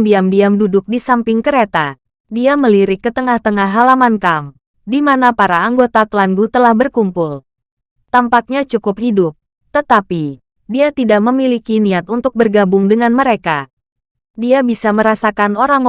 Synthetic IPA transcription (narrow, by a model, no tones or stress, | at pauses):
diamdiamdudʊk̚disampɪŋkəɾet̪a | diaməliɾɪkːət̪əŋaht̪əŋaɦɦalamankam | dimanapaɾaːŋɡot̪akəlanɡut̪əlahbərkumpʊl | t̪ampak̚ɲat͡ʃukʊphidʊp̚ | t̪ət̪api | diat̪idaʔ̚məmilikiniat̪unt̪ʊk̚bərɡabʊŋdəŋanməɾeka | diabisaməɾasakanoɾaŋ